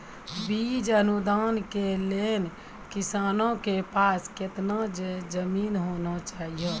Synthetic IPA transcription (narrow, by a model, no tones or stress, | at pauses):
bid͡ʒənud̪aːnkelen | kisaːnõkepaːsket̪nad͡ʒəmiːnɦonat͡ʃaːɦijə